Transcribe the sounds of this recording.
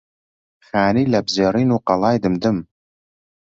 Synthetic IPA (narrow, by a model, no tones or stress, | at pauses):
xaːniːlɐbzeːɾiːnuːqɑlˠɑːjd̪ɨmd̪ɨm